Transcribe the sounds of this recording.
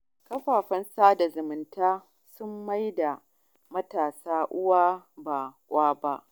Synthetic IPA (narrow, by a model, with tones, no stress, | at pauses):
kɐ˦ɸaː˨ɸɐ˦nsaː˦da˨zʊ˨mʊ˨ntaː˦ | sʊ˦mːa˦jda˨ | mɐ˦taː˨saː˦ʔʊ˦waː˦ba˨kʷʼaː˦ba˦ʔ